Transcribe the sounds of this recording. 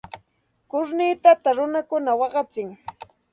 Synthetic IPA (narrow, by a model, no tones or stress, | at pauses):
kʊɾnɪt̪at̪aɾʊnakʊnawɑɢɑt͡sɪŋ